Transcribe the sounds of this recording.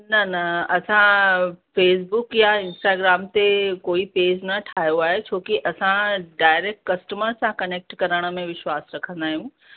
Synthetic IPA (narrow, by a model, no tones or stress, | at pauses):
nɐnɐɐsãfeːs̬bʊkjaɪ̃nsʈaːɡɾaːmt̪ekoːipeːd͡ʑnɐʈʰaːjoaːɦet͡ɕʰoːkiʔɐsãɖaːɪɾeːk̚ʈkɐsʈəməɾsãkɐneːk̚ʈkɐɾəɽ̃ə̆mẽʋɪʃwaːsɾɐkʰə̃nd̪aːɦijũː